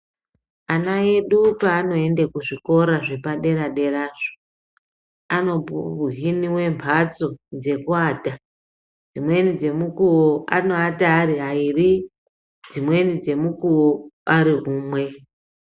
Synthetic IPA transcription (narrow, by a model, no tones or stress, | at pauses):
anaeɗupaːno̞e̞ndekuʐiko̞ɾaʐepaɗe̞ɾaɗe̞raːʐo | ano̞puuɦiniwe̞mpʰat͡so̞d͡ze̞kuaːta | d͡zimwe̞nid͡ze̞mukuwoa̰noataːɾiɦairi | d͡zimwe̞nid͡ze̞mukuwoaɾiɦuːmwe̞